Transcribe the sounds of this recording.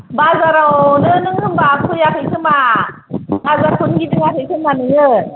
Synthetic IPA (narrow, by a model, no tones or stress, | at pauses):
bazaɾawnɯnɯŋkʰɯŋbakʰujakʰɯjkʰɯma | bazaɾkʰunɡidɯŋakʰɯjkʰɯmanɯŋɯ